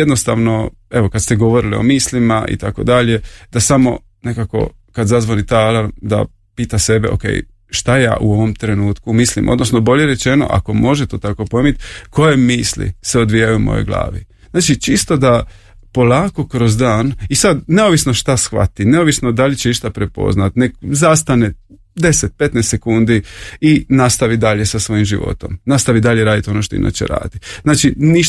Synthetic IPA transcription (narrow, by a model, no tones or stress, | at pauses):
ed̪no̞st̪aːʋno̞ | e̞ʋo̞kad̪st̪eɡo̞ʋo̞ɾilio̞̰miːslimaʔḭt̪ako̞̰d̪aʎe̞d̪̥asamo̞̰ | nekako̞̰ | kad̪zazʋonit̪alad̪a̰ | piːt̪ase̞bḛʔo̞̰kḛːj | ʃt̪aja̰ːʔuo̞ʋo̞mt̪ɾe̞nuːt̪kumislḭmʔod̪no̞sno̞bo̞ʎe̞ɾet͡ʃe̞no̞̰ʔa̰ko̞mo̞ʒet̪ot̪ako̞poimit̪kʰo̞je̞miːslḭseo̞d̪ʋijajumo̰jo̰ɡlˠa̰ːʋḭ | znaːt͡ʃit͡ʃist̪o̞d̪a | po̞lˠaːko̞kɾo̞zd̪aːnisad̪neoʋisno̞ʃt̪asxʋa̰t̪ine̞oʋisno̞d̪alit͡ɕeiʃt̪apɾe̞po̰znat̪nekzast̪ane | d̪e̞set̪̚pe̞t̪nest̪sekund̪iinast̪aʋid̪aʎe̞sasʋo̞jimʒiʋo̞̰t̪o̞̰mnast̪aʋid̪aʎeɾaːd̪it̪o̞no̞ʃ̬t̪oḭnʔa̰t͡ɕḛɾa̰ːd̪iznaːt͡ʃiniʃ